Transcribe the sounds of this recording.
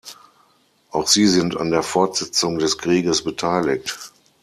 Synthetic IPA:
ʔaʊxz̥iːzɪnta̰ndeːɐfɔɐtz̥ɛt͡sʊŋdɛskʁ̥iːɡəsb̥ətʰaɪlɪk̚t

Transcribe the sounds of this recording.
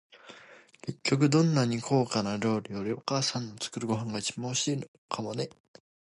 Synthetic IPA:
ke̞kʲːo̞k̬ɯ̟d̪õ̞nːaɲ̟ikʰo̞ːkanaɾo̞ːɾʲijo̞ɾʲio̞kaːsãnːot͡sɨ̥kɯ̟ɾɯ̟ɡo̞ɦãŋɡait͡ɕibãɕiːno | kʰamo̞ne̞

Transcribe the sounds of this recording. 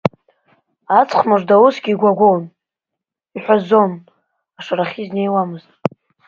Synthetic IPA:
at͡sʰʼχmɨʐdawusɡʲiːɡʷaɡʷown | iħʷᶣazo̞n | aʂaɾaχʲizne̞jwamɨztʼ

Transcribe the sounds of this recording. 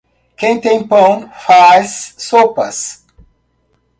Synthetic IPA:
kẽj̃t̪ẽj̃pɐ̃w̃fasːopɐs

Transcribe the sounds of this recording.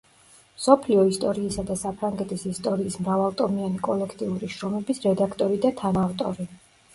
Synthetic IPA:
msɔpʰliɔist̪ʼɔɾiːsad̪asapʰɾaŋɡɛt̪ʰisist̪ʼɔɾiːsmɾavalˠt̪ʼɔmianikʼɔlɛkʰt̪ʼiuɾiʃɾɔmɛbisɾɛd̪akʰt̪ʼɔɾid̪at̪ʰanavt̪ʼɔɾi

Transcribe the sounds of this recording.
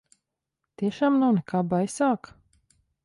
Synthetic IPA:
t̪iɛʃaːmnawnɛkaːbajsaːk

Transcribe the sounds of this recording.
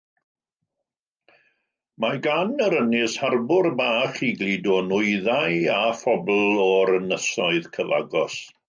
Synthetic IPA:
maɡanəɾənɪsharbʊrbaːχiɡlˠiːdɔnʊɨðajafɔbl̩ˠɔɾənəsɔɨðkʰəva̰ɡɔs

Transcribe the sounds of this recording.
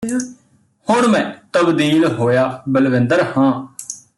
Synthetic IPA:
hʊɳmɛ̃ːt̪əbd̪iːlɦoːjaːbəlʋɪ̃nd̪əɾhãː

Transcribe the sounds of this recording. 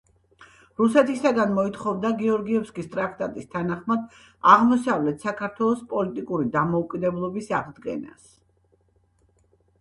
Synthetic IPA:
ɾusɛt̪ʰisaɡanmɔit̪χɔvd̪aɡiɔɾɡiɛfskʼist̪ʼɾakʰt̪ʼat̪ʼist̪ʰanaχmad̪ | aʁmɔsavlɛt̪ʰsakʰaɾt̪ʰwɛlˠɔspʼɔlit̪ʼikʼuɾid̪amɔukʼid̪ɛblˠɔbisaʁd̪ɡɛ̰na̰s

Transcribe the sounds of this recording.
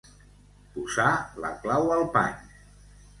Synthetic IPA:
puzalə̰klawəlˠpa̰ɲ

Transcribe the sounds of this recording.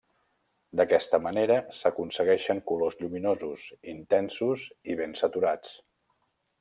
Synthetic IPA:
d̪əkɛst̪əməneɾəsəkunsəɣɛʃəŋkulozʎuminozusint̪ɛnsuziβ̞ensət̪uɾat͡s

